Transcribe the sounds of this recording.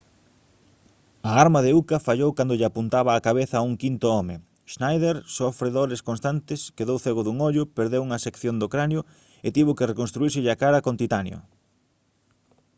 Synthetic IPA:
ɐaɾmɐðeukɐfaʎowkand̪oʎapunt̪aβɐːkaβeθɐuŋkint̪ʊɔme | ʃnajðeɾsofɾeðoɾeskonst̪ant̪ɪskeðowθeɣoðuŋoʎʊpeɾðewuŋɐsekθjond̪okɾanjʊ | et̪iβokerekonst̪ɾuiɾsɪʎakaɾɐkõnt̪it̪anjo̰

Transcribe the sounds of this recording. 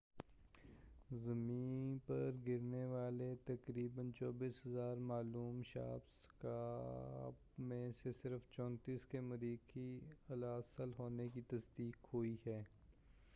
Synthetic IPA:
zəmĩːnpɐɾɡɪɾneʋaːlet̪ɐkɾiːbənt͡ʃɔːbiːsɦəzaːɾmaːluːmʃa̰ːbs | kaːbmẽsesɪɾəft͡ʃɔ̃ːnt̪iːskemɐɾiːkʰiɐlaːəsəlɦoːnekit̪ɐsd̪iːkhoiɦɛː

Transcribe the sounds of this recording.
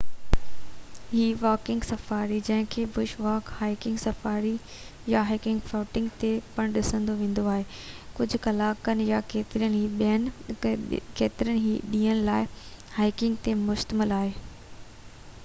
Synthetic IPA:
ɦiːʋaːkɪ̃ŋɡsɐfaːɾid͡ʑɐ̃ɦɪ̃kʰeːbʊʃʋaːkhaːɪkɪ̃ŋɡsɐfaːɾi | jaɦaːɪkɪ̃ŋɡflaːʈɪ̃ŋɡt̪epɐɽ̃ɗɪsə̃nd̪oʋẽːn̆d̪oaːɦeːkʊd͡ʑʱʊ̆kɐlaːkənɪ̆jakeːt̪ɪɾijənɦiːɓiən | keːt̪ɪɾijənɦiːɗĩːənɪ̆laːɪhaːɪkɪ̃ŋɡ̚t̪emʊʃt̪əməlaːɦeː

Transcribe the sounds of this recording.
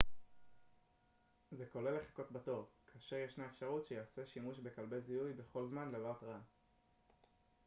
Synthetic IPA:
ze̞ko̞le̞leχi̥ko̞tbato̞vkaːʃeʁjeʃnaefʃaʁutʃejaːse̞ʃimuʃbe̞kalbe̞zijujbe̞χo̞lzmanlevaʁt̪ʁa

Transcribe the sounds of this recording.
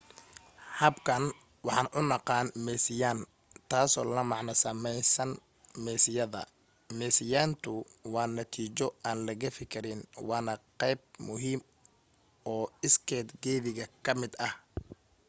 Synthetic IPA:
hɐbkʰɐn | wɑħɑːnʔʊnɑqɑːnmɛːsɪjaːn | t̪ʰaːsɔːlɐmɑʕnɐsɐmɛjsɐn | mɛːsɪjɐðɐ̰ | mɛːsɪjaːnt̪ʰʊwɑːnɐt̪ʰiːt͡ʃɔaːnlɐɣɐfɪkʰɪɾɪnwɑːnɐqɛjb̚mʊɦiːm | ɔːɪskʰɛːd̪ɡɛːðɪɣɐkʰɐmɪd̪ɐh

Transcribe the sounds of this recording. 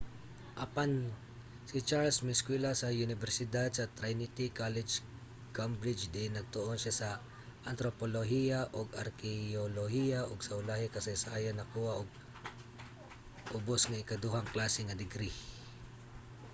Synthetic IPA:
ʔapan | sɪt͡ʃaɹlsmɪskwilasɐjʊnɪbɛɾsɪd̪ad̪̚sɐt̪ɾajnɪt̪ɪkalɛd͡ʒ | kambɾɪd͡ʒd̪ɪʔɪnɐɡ̚t̪ʊʔonʃasɐ | ʔɐnt̪ɾopoloɦijaʔoɡaɾkɪolohijaʔoɡsɐʊlahɛkɐsɐjsajanɐkuːhaʔoɡ̚ | ʔʊbosŋaɪkad̪uːɦaŋklasɪŋɐd̪ɪɡɾi

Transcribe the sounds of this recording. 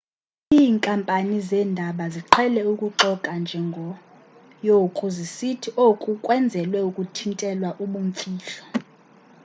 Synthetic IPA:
iːŋkʼampʼanizɛːndʱaɓaziǃʰɛlɛukʼuǁɔkʼand͡ʒʱɛŋɡʱɔ | jokʼuzisitʰiʔokʼukʼwɛnd͡zʱɛlwɛukʼutʰintʼɛlwaʔuɓum̩fʰʼiːɬɔ̥

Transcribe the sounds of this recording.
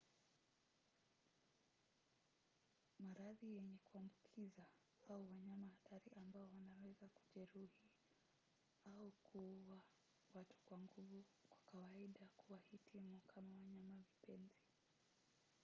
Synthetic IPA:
maɾaðijɛɲɛkuambukʰiza | auwaɲamahataɾiʔambaɔwanawɛzaku̥ʄɛɾuhi | aukʰuua | watʰu̥kwaŋɡuvukwḁkawaiɗakʰuwahitʰimukʰamawaɲamavipɛnzi

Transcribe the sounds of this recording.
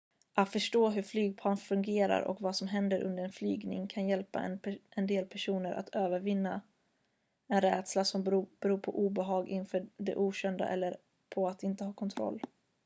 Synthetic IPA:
ʔat̪fœʂʈoːɦɵɾflyːɡ̚pʰɑːɳfɵŋɡeːɾa̰ɾʔɔ̰kvasɔmɦɛnd̪əɾʔɵ̰nd̪əɾɛnfly̰ːɡnɪ̰ŋkʰanjɛlpa̰nʔɛnd̪eːlpʰæʂuːnəɾʔa̰t̪ʰøːvəɾvɪnːa | ɛnɾɛːd̪slasɔmb̥ɛɾuːɾpʰɔʔuːbɛɦɑːɡʔɪnfœːɖɛ̰ʔuːɕœnd̪a̰ʔɛ̰lːəɾ | pʰɔat̪ɪnt̪əɦɑːkʰɔnt̪ʰɾɔ̰lː

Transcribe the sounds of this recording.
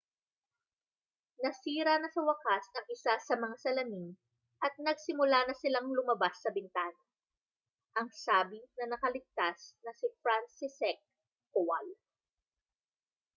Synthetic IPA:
nɐsiːɾɐnɐsɐwɐkasnɐŋʔɪsasɐmɐŋasɐlɐnin | ʔɐt̪̚nɐɡ̚sɪmʊlanɐsɪlaŋlʊmɐbasːɐbɪnt̪anɐ | ʔɐŋsaːbinɐnɐkɐlɪɡ̚t̪asnɐsɪfɾansɪsɛk̚ː | owal

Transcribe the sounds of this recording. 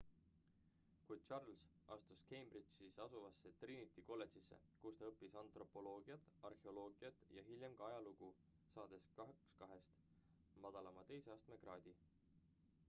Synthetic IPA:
kujd̥̪̚t͡ʃɑrls | ʔɑst̪uskejmbrisisɑsuvɑsːe̞t̪rinit̪ːiko̞lesisːe̞̰ | kust̪ɑɤpːˑisɑnt̪ro̞pːo̞lo̞ːɡ̥iɑt̪ːˑɑrxeo̞lo̞ːɡ̥iɑt̪ːˑjɑɦilʲjemkɑɑjɑluɡ̥u | sɑːd̪̥e̞skɑɦekskɑɦe̞st̪ | mɑd̪̥ɑlɑmɑt̪e̞jse̞ɑst̪me̞ɡrɑːd̪̥i

